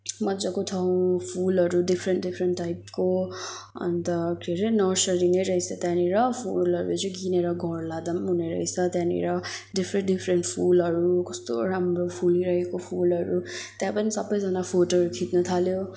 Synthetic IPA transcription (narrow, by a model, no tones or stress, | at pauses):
mʌd͡zʌkoʈʰaw̃pʰulʌɾuɖipʰɾeɳʈɖipʰɾeɳʈːajp̚ko | ʌ̰nt̪ʌɡeɾenʌsʌlɾineɾʌɦisʰʌt̪jãniɾʌpʰulʌɾud͡zuɡineɾʌɡʱʌrlad̪ʌmɦuneɾʌ̰ɦisʰʌt̪jãnḭɾʌɖipʰɾenʈɖipʰɾeɳʈpʰulɦʌɾukʌst̪o̰ɾamropʰuliɾʌɦekopʰulʌɾut̪jãpʌnisʌbːʌjd͡zanapʰoʈoɦʌɾukʰit̪nʌt̪ʰaljo